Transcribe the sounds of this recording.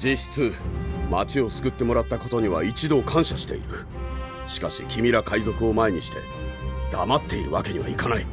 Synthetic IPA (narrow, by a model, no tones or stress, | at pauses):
d͡ʑiɕi̥t͡sɨmat͡ɕio̞sɨ̥kɯ̟t̪ːe̞mo̞ɾat̪ːako̞t̪o̞ɲ̟iβa̰it͡ɕid̪o̞kʰãɰ̃ɕaɕi̥t̪e̞̰ḭɾɯ̟ | ɕi̥kaɕḭkʲʰimʲiɾakaizo̞kɯ̟o̞mae̞ɲ̟iɕi̥t̪e̞̰ | d̪̥amat̪ːe̞iɾɯ̟βake̞ɲ̟iβa̰ikanai